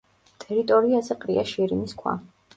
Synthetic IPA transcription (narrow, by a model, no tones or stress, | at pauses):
t̪ʼɛɾit̪ʼɔɾiazɛqʼɾiaʃiɾiniskʰwa̰